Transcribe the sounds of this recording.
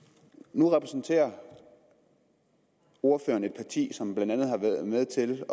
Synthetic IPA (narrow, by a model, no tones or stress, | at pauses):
nuʁɛpʰʁɛsn̩t͡sʰe̝̰ːɐ | o̝ɐfø̰ːɐne̝d̥̚pʰɑ̈t͡sʰḭːsɒ̽mb̥lænd̥ænð̞̩ˠhɑ̈ʋæːɐðˠmeð̞ˠt͡sʰe̝l